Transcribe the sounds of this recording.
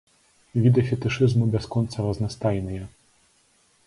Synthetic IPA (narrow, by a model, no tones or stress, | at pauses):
vʲid̪ɐfʲɛt̪ɨʂɨzmubʲɛskɔnt̪sɐɾɐznɐst̪ajnɨjɐ